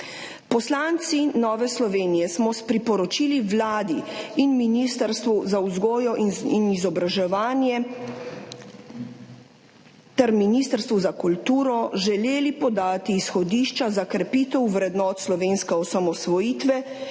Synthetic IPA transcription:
pɔslaːnt̪sinɔːʋɛslɔʋeːnijɛsmɔspɾipɔɾɔt͡ʃiːliʋlaːd̪iinminist̪əɾst̪ʋuzawzɡɔːjɔʔiinizɔbɾaʒɛʋaːnjɛ | t̪ɛɾminiːst̪əɾst̪ʋuzakult̪uːɾɔʒɛleːlipɔd̪aːt̪iːsxɔd̪iːʃt͡ʃazakɾɛpiːt̪ɛwʋɾɛd̪nɔːt̪slɔʋeːnskɛɔsamɔsʋɔjiːt̪ʋɛ

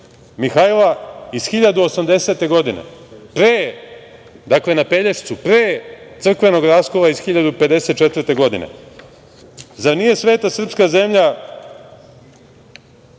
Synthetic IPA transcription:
mixailˠaisxiʎad̪uosamd̪e̞se̞ːt̪e̞ɡo̞d̪ine̞̰pɾeː | d̪akle̞napeʎeʃt̪supɾeːt̪sr̩kʋe̞no̞ɡɾaːskoʋaizxiʎad̪upe̞d̪ese̞t̪̚t͡ʃet̪vrt̪e̞ɡo̞d̪inḛ | zanije̞sʋeːt̪asr̩pskaze̞mʎa

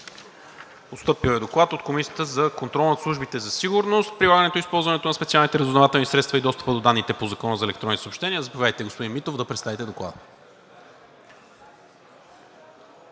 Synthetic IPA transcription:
ost̪ɤpilˠɛd̪oklˠat̪ot̪̚komisiə̥t̪əzɐkont̪ɾɔlˠnɐt̪slˠuʒbit̪ɛzɐsiɡʊɾnost̪̚pɾilˠaɡənɛt̪oispɔlˠzvɐnɛt̪onɐspɛt̪sialˠnit̪ɛɾəzoznɐvat̪ɛlˠnisɾɛt̪st̪vɐid̪ɔst̪ə̥pəd̪od̪anːit̪ɛpozɐkɔnəzɐɛlɛkt̪ɾɔnːit̪sopʃt̪ɛniəzəpvʲjajt̪ɛɡospod̪inmit̪ovd̪ɐpɾɛt̪st̪avit̪ɛd̪oklˠa̰d̪ə

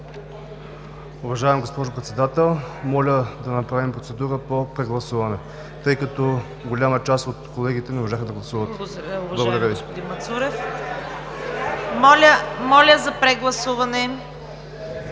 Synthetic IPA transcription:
ʊvɐʒavɛmɡospɔʒʊpɾɛt̪sɛd̪at̪ɛlˠmɔlʲəd̪ɐnɐpɾavimpɾot̪ɛd̪uɾəpopɾɛɡlˠɐsuvɐnɛ | t̪ɤjkɐt̪ɔ | ɡolʲamət͡ʃast̪ot̪kolɛɡit̪ɛnɛmoʒaxəd̪ɐɡlˠɐsuvət̪ʊvlˠɐɡod̪ɐɾəvispʊd̪inmɐt̪suɾɛf | mɔlʲəmɔlʲəzɐpɾɛɡlˠɐsuvɐnɛ

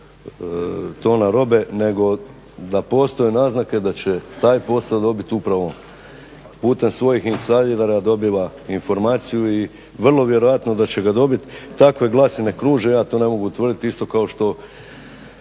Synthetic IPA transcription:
t̪o̞ːnaɾo̞be̞ne̞ɡo̞ | d̪apo̞ːst̪o̞jenaːznake̞d̪at͡ɕe̞t̪aːjpo̞sad̪o̞bit̪upɾaʋo̞ | puːt̪e̞msʋo̞jixinsaliɾaɾaad̪o̞biʋainfo̞ɾmaːt̪sijui | ʋr̩lˠo̞ʋje̞ɾo̞jat̪no̞d̪at͡ɕe̞ɡad̪o̞bit̪ːakʋe̞ɡlˠaːsine̞kɾuːʒejaːt̪o̞ːne̞mo̞ɡuut̪ʋr̩d̪it̪ist̪o̞kao̞ʃt̪o̞

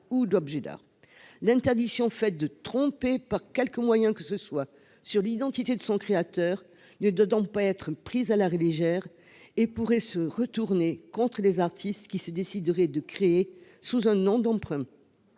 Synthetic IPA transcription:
ud̪ɔbʒed̪a̰ʁ | lɛ̃t̪ɛʁd̪iksjɔ̃fɛt̪̚d̪ət̪χɔ̃pepaʁkʲɛlkəmwajɛ̃kəsəswa | syʁlid̪ɑ̃t̪it̪ed̪əsɔ̃kχeat̪œʁ | nəd̪wad̪ɔ̃paɛt̪χəpχizalaʁeleʒɛʁ | epuʁɛsəʁət̪uʁnekɔ̃t̪χəlezaʁt̪ʰist̪kʲisəd̪esid̪ʁɛd̪əkχee | suzɛ̃nɔ̃d̪ɑ̃pχɛ̃

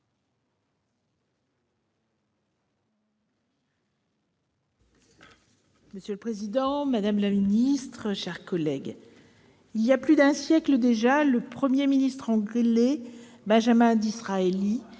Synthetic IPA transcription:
məsjøləpχezid̪ɑ̃mad̪amlaminist̪χəʃɛʁkɔlɛɡ | iljaplyd̪ɛ̃sjɛkləd̪eʒaləpχəmjeminist̪χɑ̃ɡʁile | bɛ̃ʒamɛ̃d̪isχaeli

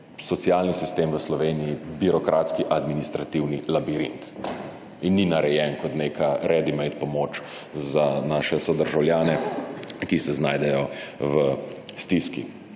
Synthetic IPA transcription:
sɔt̪sijalnisist̪eːmʋəslɔʋeːnijibiɾɔkɾʔaːt̪skiʔad̪minist̪ɾat̪iwnilabiɾḭnt̪ | inːinaɾɛjɛnkɔt̪neːkaɾɛd̪imɛjt̪pɔmoːt͡ʃ | zanaːʃɛsɔd̪əɾʒawljaːnɛkisɛznaːjd̪ɛjɔʋəst̪iskḭ

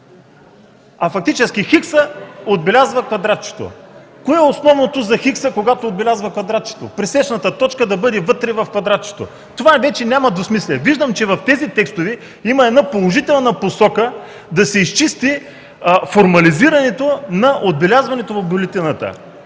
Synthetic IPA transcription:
ɐfɐkt̪it͡ʃɛsk̟ixiksəod̪̚bɛlʲazvɐkvɐd̪ɾat̪̚t͡ʃɛ̥t̪o̰koɛosnɔvnot̪ozɐxiksəkoɡat̪oːd̪̚bɛlʲazvɐkvɐd̪ɾat̪̚t͡ʃɛ̥t̪o̰pɾisɛʃnɐt̪ət̪ɔt͡ʃkəd̪ɐbɤd̪ɛvɤt̪ɾɛvɐfkvɐd̪ɾat̪̚t͡ʃɛ̥t̪o̰ | t̪ovavɛt͡ʃɛnʲamɐd̪vosmislʲɛviʒd̪əmt͡ʃɛvɐft̪ɛzit̪ɛkst̪ovɛ | imɐɛd̪napolˠoʒit̪ɛlˠnɐposɔkə | d̪ɐsɛist͡ʃist̪i | foɾmɐliziɾɐnɛt̪onɐʔod̪̚bɛlʲazvɐnɛt̪ovɐvbʊlɛt̪inɐt̪ə̰

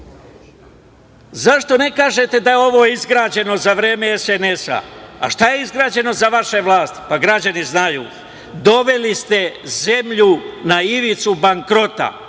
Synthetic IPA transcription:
zaʃt̪o̞ne̞kaːʒe̞t̪e̞d̪ajeo̞ʋo̞ːizɡɾaːd͡ʑe̞no̞zaʋɾe̞ːmeesenesa̰a̰ʃt̪aje̞izɡɾaːd͡ʑe̞no̞zaʋaʃeʋlˠaːst̪paɡɾad͡ʑaniznajṵː | d̪o̞ʋe̞list̪e̞ze̞mʎunaiʋit̪subaŋkɾo̞t̪a̰

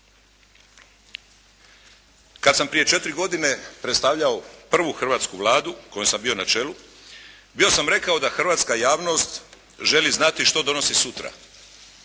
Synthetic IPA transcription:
kad̪sampɾije̞t͡ʃe̞t̪ɾiɡo̞d̪ine̞pɾet̪st̪aʋʎao̞pr̩ʋuxr̩ʋaːt̪skuʋlˠaːd̪uko̞jomsambio̞nat͡ʃe̞lu | bio̞samɾe̞kao̞d̪axrʋaːt̪skajaːʋno̞st̪ | ʒe̞liznat̪iʃt̪o̞d̪o̞no̞sisut̪ɾa̰

